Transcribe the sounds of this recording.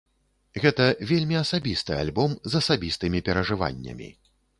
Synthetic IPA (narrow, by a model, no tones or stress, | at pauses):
ɣɛt̪ɐvʲelʲmʲiɐsabʲist̪ɨa̰lʲbɔmzɐsabʲist̪ɨmʲipʲɛɾɐʐɨva̰nʲːɐ̰mʲḭ